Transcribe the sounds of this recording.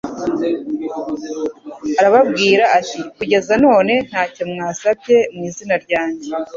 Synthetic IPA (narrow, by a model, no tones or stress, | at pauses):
aɾaβabɡiːɾaʔːtikuɟe̞zano̞ːne̞n̥haːcemŋaːsabje̞mŋiːzinaɾɟaːɲɟe̞